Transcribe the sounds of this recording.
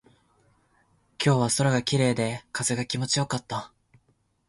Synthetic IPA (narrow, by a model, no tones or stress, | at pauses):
kʲo̞ːβaso̞ɾaɡakʲiɾe̞ːd̪e̞kaze̞ɡakʲimo̞t͡ɕijo̞kat̪ːa